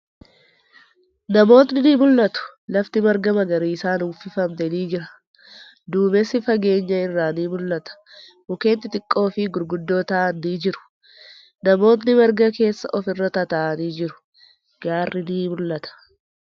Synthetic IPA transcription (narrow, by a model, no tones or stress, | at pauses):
nɐmo̞ːt̪nɪnimʊlːɐt̪ʊ̥lɐft̪ɪmɐɾɡɐmɐɡɐɾiːɪsaːnuːfɪfɐmt̪ɛniːd͡ʒɪɾɐ̥ | d̪uːmɛsɪfɐɡe̞ːɲːɐɪrːaːniːmʊlːɐt̪ɐ̥ | bʊke̞ːnt̪ɪt̪ɪkʼːo̞ːfɪɡʊɾɡʊd̪ːo̞ːt̪ɐːʔɐnːiːd͡ʒɪɾʊ̥ | nɐmo̞ːt̪̬nɪmɐɾɡɐke̞ːsːɐ̰ʔɔfɪrːɐt̪ɐt̪aʔɐniːd͡ʒɪɾʊ̥ | ɡ̥aːrːɪniːmʊlːɐt̪ɐ̥